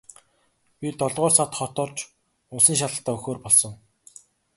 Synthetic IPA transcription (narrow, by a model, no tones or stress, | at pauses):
pʲit̪ɔɮʁɔːrsat̪χɔt̪ɔːrt͡ɕ | ʊɮsĭːŋʃ̬aɮə̆t̪ːaːɵxoːrpɔɮsɞ̆ŋ